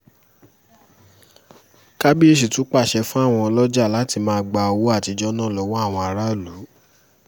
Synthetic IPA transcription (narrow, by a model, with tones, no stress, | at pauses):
ka˦bi˦e˦ʃ̬i˨tũ˨˦k͡pa˦˨ʃɛ˧fũ˦a˦˨w̃ɔ̃˧ɔ˧lɔ˦d͡ʒa˦˨la˨˦ti˧mãː˦˧ɡ͡ba˧o˧wo˦a˦˨ti˧d͡ʒɔ˦nã˦˨lɔ˨˦wɔ˦a˦˨w̃ɔ̃˧a˧ɾa˦˨lu˨˦